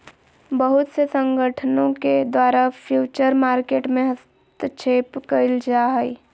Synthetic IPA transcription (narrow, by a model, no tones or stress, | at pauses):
bəɦʊt̪sesə̃ŋɡʱəʈʰənõked̪waːɾapʰjuːt͡ʃəɾmaːɾkeːʈmẽɦəst̪ət͡ʃʰeːpkəɪld͡ʒaɦɛi